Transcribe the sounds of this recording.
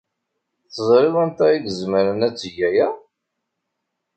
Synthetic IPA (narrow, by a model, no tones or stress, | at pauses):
θəzˤɾɪðænt̪æiɡəzməɾənæt͡sːəʝæjæ